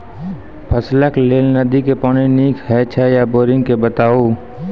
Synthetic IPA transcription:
pʰəsləkleːlnəd̪ikepɔːniniːkʰɦɛːt͡ʃʰɛjaboːɾɪ̃ŋɡkebət̪aːoː

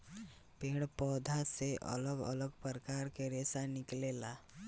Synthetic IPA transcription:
pẽɽpɔːd̪ʱaseʔə̰ləɡə̰ləɡpəɾkaɾkeɾesanɪklela

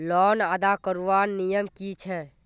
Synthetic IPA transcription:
lɔːnad̪akəɾuʋanːijəmkit͡ʃʰɛ

